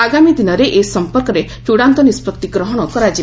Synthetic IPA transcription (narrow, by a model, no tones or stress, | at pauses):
aɡamid̪inɔɾeʔesɔmpɔɾkɔɾe | t͡ʃuɽant̪ɔnispɔkt̪iɡɾɔɦɔɽ̃ɔkɔɾad͡ʒi